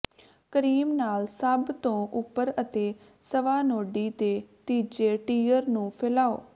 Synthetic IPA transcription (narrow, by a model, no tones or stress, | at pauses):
kəɾiːmnaːlsəbt̪õːʔʊpːəɾət̪eː | səʋaːnoːɖiːt̪eːt̪iːd͡ʒeːʈiːəɾnũːpʰeːlaːo̰ː